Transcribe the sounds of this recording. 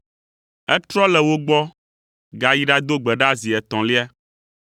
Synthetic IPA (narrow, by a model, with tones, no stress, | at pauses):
ɛ˦t̪ɾɔ˦lɛ˨wo˦ɡ͡bɔ˦ | ɡa˨ji˦ɖa˦d̪o˦ɡ͡bɛ˨ɖa˦zi˨ɛ˨t̪ɔ̃˨li˦a˦